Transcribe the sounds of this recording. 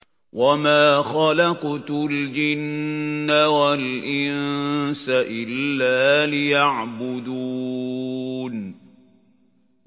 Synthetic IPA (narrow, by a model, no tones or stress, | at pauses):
wʔamaːxɑlɑqt̪ld͡ʒɪnːawalʔɪnsaʔɪlːaːlɪjaʕbʊd̪uː | n